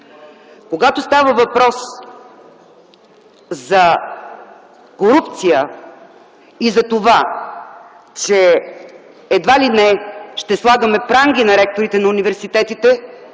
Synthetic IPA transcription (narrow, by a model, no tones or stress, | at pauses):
koɡat̪ost̪avəvɐpɾɔs | zɐ | koɾupt̪sijə | izɐt̪ova | t͡ʃɛː | d̪valinɛʃt̪ɛslˠaɡəmɛpɾaŋɡinɐɾɛk̚t̪oɾit̪ɛnɐunivɛɾsit̪ɛt̪it̪ɛ